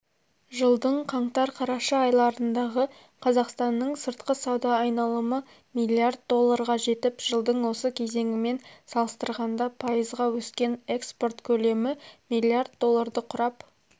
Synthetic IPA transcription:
ʒəlˠd̪əɴqʰɑɴt̪ɑɾqʰɑɾɑʃɑɑjlˠɑɾənd̪ɑʁə | qʰɑzɑqst̪ɑnːəɴsəɾt̪̚qəsɑwd̪ɑːjnɑlˠəmə | mijlʲiard̪̚d̪o̞lˠːaɾʁɑʒe̞t̪ɪpʒ̥əlˠd̪əɴwo̞səkʲʰe̞ze̞ŋʲɪme̞nsɑlˠəst̪əɾʁɑnd̪ɑpʰɑjəzʁɑwɵskʲe̞ne̞kspo̞rt̪kʲʰɵle̞mɪmijlʲːiard̪̚d̪o̞lˠːaɾd̪əqʰʊɾɑp

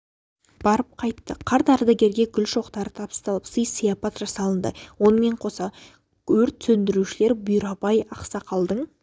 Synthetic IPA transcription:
b̥ɑɾəp̚qʰɑjt̪ːəqʰɑɾt̪ɑɾd̪ɑɡʲe̞ɾɡʲe̞ɡʲʏlʃo̞qt̪ɑɾət̪ʰɑpə̥st̪ɑlˠəpsəjsəjɑpɑt̪ʒɑsɑlˠənd̪ə̰wo̞nəme̞ɴqʰo̞sɑ | ɵɾt̪sɵnd̪ɪɾuʃɪle̞ɾbʊjɾɑpɑjɑqsɑqʰɑlˠd̪əɴ

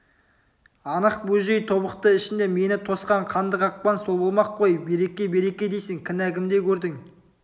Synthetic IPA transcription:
ɑnəq̚bɵʒe̞jt̪ʰo̞bəqt̪əɪʃɪnd̪e̞me̞nɪt̪ʰo̞sqɑɴqʰɑnd̪əqɑq̚pɑnsobəlˠmɑqʰːo̞jbe̞ɾe̞kʲe̞be̞ɾe̞kʲe̞d̪ejsɪŋkʲʰɪnækʲɪmd̪e̞kʲʰɵɾd̪ɪŋ

